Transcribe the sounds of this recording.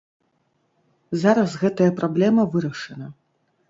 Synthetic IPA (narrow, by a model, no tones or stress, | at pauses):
zaɾɐsɣɛt̪ɐjɐpɾablʲɛmɐvɨɾɐʂɐnɐ